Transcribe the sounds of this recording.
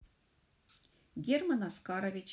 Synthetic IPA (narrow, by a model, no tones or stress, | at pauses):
ɡʲermɑnɑskɑɾovʲit͡ɕ